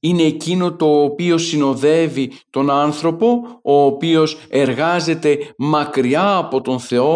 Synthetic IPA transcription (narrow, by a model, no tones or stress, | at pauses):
ine̞ːcino̞t̪o̞ːpio̞sino̞ðe̞vit̪o̞nɐnθɾo̞po̞oːpio̞se̞ɾɣɐze̞t̪e̞mɐkɾiɐːpo̞t̪o̞nθe̞o̞